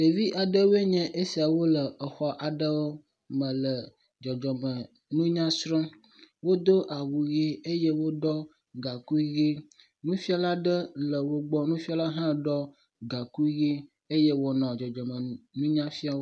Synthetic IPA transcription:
de˨vi˦ʔa˨ɖə˦wo˦e˦ɲɛ̃˦ʔe˦si˨a˨wo˦lə˨ə˨xɔ˦ʔa˨ɖə˦wo˦ | mə̃˨lə˨ | d͡ʒɔ˨d͡ʒɔ˨mə˨ | nũ˦ɲã˦sɾɔ̃˦ | wo˦d̪o˦ʔa˨wu˨ɣi˦e˦je˦wo˦ɖɔ˦ | ɡa˨ku˦ɣi˦ | nũ˦fi˦a˨la˦ɖə˦lə˨wo˦ɡ͡bɔ˦nũ˦fi˦a˦la˦ɦã˦ɖɔ˦ | ɡa˨ku˦ɣi˦ | e˦je˦wo˨nɔ̃˨d͡ʒɔ˨d͡ʒɔ˨mə̃˨nũ˦ɲã˦fi˦a˨wo˦

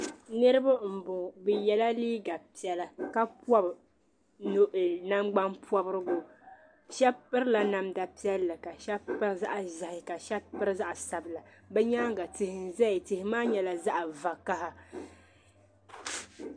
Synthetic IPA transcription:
nɨ˦ɾɨ˦ba˦m̩˨bʊ˨bɛ˨jɛ˨la˦liː˦ɡa˨pi˦ɛ˦la˨ka˦pɔ˦b | no˨ʔɪ˨na˦mɡ͡ba˦npɔ˦bɨ˦ɾɨ˦ɡʊ˦ | ʃɛ˦pːɨ˦ɾla˨na˨mda˨pi˦ɛ˦lːɨ˨ka˨ʃɛ˦pɨ˦ɾza̰˦ʔa˨ʒa˨hɪ˨ka˨ʃɛ˦pɨ˦ɾɨ˦za˦ʔa˨sa˨bɨ˨la˨bɛ˦ɲaː˦ɡa˨tɪ˨hɪ˨n̩˨zɛ˦ɪ˨tɪ˨hɪ˨maː˦ɲɛ˨la˨za˦ʔa˨va˨ka˦ha˨

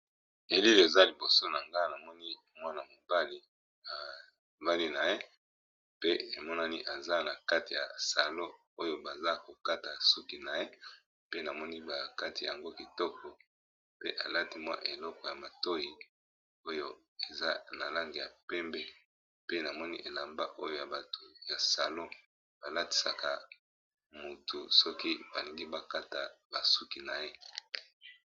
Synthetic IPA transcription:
e˨li˦le˨za˦li˨bo˨so˦na˨ŋɡa˦na˨mɔ˦ni˦ | mwa˦na˨mo˨ba˦li˦ | a˨ | ba˦li˦na˨je˦ | pe˦e˨mɔ˦na˦ni˦ʔa˨za˦na˨ka˦ti˨ja̰˨sa˨lo˦ | o˦jo˦ba˨za˦ko˨ka˦ta˨su˦ki˨na˨je˦ | pe˦na˨mɔ˦ni˦ba˨ka˦ti˨ja̰˨ŋɡo˦ki˨tɔ˦kɔ˨ | pe˦ʔa˨la˦ti˨mwa̰˦ʔe˨lɔ˦kɔ˨ja˨ma˨to˦ji˨ | o˦jo˦ | e˨za˦na˨la˦ŋɡe˨ja̰˨pɛ˦mbɛ˦ | pe˦na˨mɔ˦ni˦ʔe˨la˨mba̰˦ʔo˦jo˦ja˨ba˨to˨ja˨sa˨lo˦ | b̥a˨la˦ti̥˨sa˨ka˨ | mo˨tu˨sɔ˦ki˦ba̰˨li˨ŋɡi˦ba˦ka˦ta˨ba˨su˦ki˨na˨je˦

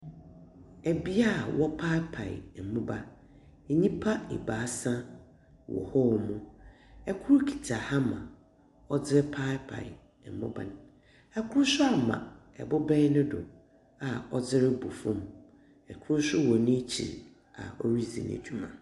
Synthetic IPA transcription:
ɛ˨bi˦a˦˨wɔ˦pʰa˦pʰa̰˨ɪ̰˨m̩˨mʊ̃˦ba˦ | e˨ɲĩ˦pʰa˦ḭ˨baː˨˦sã˦ | wɔ̰˨hɔ˦wmʊ̃˦ɛ˦kʰʊ˦ɾkʰi̥˨tʰa˨ha˦mã̰˨ | ɔ˦d͡zɪ˦ɾɪ˦pʰa˦pʰa̰˨ɪ˨ | m̩˨mʊ̃˦bã̰˨n | ɛ˦kʰʊ˦ɾsʊ˦a˨mã̰˨ | ɛ̰˨bʊ˦bɛ̃˦nʊ̃˦dʊ̰˨ | a˨ɔ˦d͡zɪ˦ɾɪ˦bu˨fũ˦m | ɛ˨kʰʊ˦ɾsʊ˦wɔ˨nɪ̃˦t͡ɕʰḭ˨ɾ | a̰˨ɔ˦ɾi˦zḭ̃˨nḛ˨d͡ʑᶣu˦mã̰˨

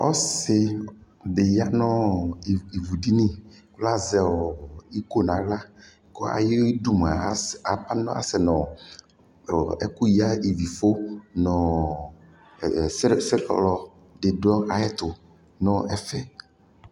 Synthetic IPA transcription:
ɔ̰˦sɪ˨ | de˨ja˦nɔ̃˦˨ | i˨vu˨di˦nĩ˦ | kla˦zɛ˦ɔ˨i˦ko˦nã˨la˦ | kɔ˦a̰˨je˦du˦m˨a˨˦˨a˨pa˦nɔ̰̃˦a̰˨sɛ˨nɔ̃˨ | ɛ̰˦ku˦ji˦a˦i˨vi˨fo˦nɔ̃˨˦ | se˦ɾlɔ˨ | de˨dɔ˦a˨jɛ˦t̪ʊ˨ | nɔ̃˦ɛ˨fɛ˦

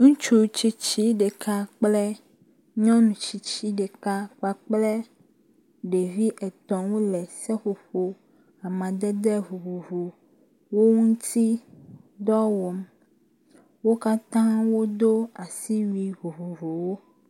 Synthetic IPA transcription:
ŋũ˦t͡ʃu˦t͡ɕi˦t͡ɕi˦ɖe˨ka˦k͡plɛ˦ | ɲɔ̃˦nũ˨t͡ɕi˦t͡ɕi˦ɖe˨ka˦k͡pa˦k͡plɛ˦ | ɖe˨vi˦ʔɛ˨t̪ɔ̃˨wo˦lɛ˨sɛ˦ɸo˨ɸo˨ | a˨mã˨d̪ɛ˦d̪ɛ˦vo˨vo˨vo˨ | wo˦ŋũ˦t̪ʰi˦d̪ɔ˦wɔ˨m | wo˦ka˦t̪ã˦wo˦d̪o˦a˨si˦wi˦ɦo˨vo˨vo˨wo˦

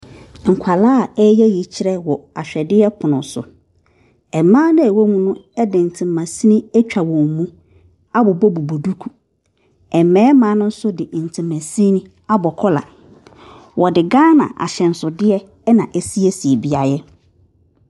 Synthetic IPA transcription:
ŋ̩˨kʷʰa˨laː˦a˨ɛ˦jɛ˦ji˨t͡ɕʰɪ˦ɾɛ˦wɔ˨a˨ɕᶣɛ˨dɪ˦ɛ˦pʰʊ˨nʊ̃˨sʊ̰˨ | ɛ˨mãː˦nã˦ɛ˨wo˦mũ˦nʊ̃˦ɛ˦dɪ˨n̩˨tʰɪ̃˨mːã˨si˦nĩ˦ɛ˦t͡ɕᶣa˨wɔ̃˨m˨mũ˦ | a˦bɔ˨bɔ˦bu˨bo˨du˦kʰu̥˨ | ɛ˨mɛ̃ː˨˦mãː˨˦nʊ̃˦n̩˦sʊ˦dɪ˨ʔn̩˨tʰɪ̃˨mːã˨sĩ˦nĩ˦ | a˦bɔ˨kʰɔ˦la̰˨ | wɔ˨dɪ˨ɡã˦nã̰˨ʔa̰˨ɕɛ˨n̩˨sʊ˨dɪ˦ɛ˦ | nã˨ʔɛ˦si˦e˦si˨e˨bi˦a˨jɛ˦

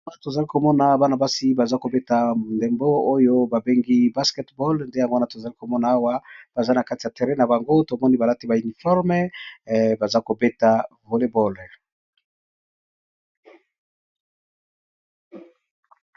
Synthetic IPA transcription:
a˨to˨za˨li˦ko˨mɔ˦na˨ba˦na˨ba˦si˦ba˨za˦ko˨be˦ta˨mo˨nde˨mbo˦o˦jo˦ba˨be˦ŋɡi˦ba˦skɛ˦tbɔ˦lnde˦ja˨ŋɡo˦na˨to˨za˨li˦ko˨mɔ˦na˨a˦wa˦b̥a˨za˦na˨ka˦ti˨ja˨te˨ʁe˦na˨ba˨ŋɡo˦to˨mɔ˦ni˦ba˨la˦ti˦ba˨y˨ni˨fɔ˦ʁmɛ˦ | ba˨za˦ko˨be˦ta˨ | vo˨le˦bɔ˦˨l

